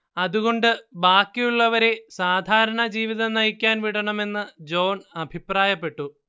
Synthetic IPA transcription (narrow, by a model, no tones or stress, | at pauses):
ɐðuɣo̞ɳɖɨbaːkːijuɭːɐʋɐɾe̞saːd̪ʱaːɾɐɳɐd͡ʑiːʋiðɐnɐjikʲːaːnʋiɽɐɳɐme̞nːɨd͡ʑo̞ːnɐbʱipraːjɐpːe̞ʈːu